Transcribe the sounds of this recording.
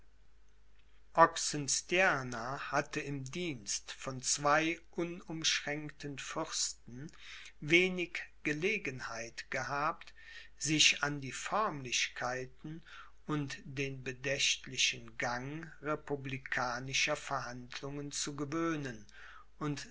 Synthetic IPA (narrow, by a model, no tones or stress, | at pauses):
ʔɔksənstjanahatəɪmdiːnstfɔnt͡sv̥aɪʔʊnʊmʃʁ̥ɛŋktənfʏʁstn̩veːnɪkɡ̥əleːɡənhaɪtɡ̥əhaːpt | z̥ɪʃandiːfœɐmlɪʃkʰaɪtn̩ | ʊntd̥eːnbədɛʃtlɪʃənɡaŋʁepublikʰaːnɪʃɐfɛɐhandlʊŋənt͡suɡəvøːnən | ʔʊnt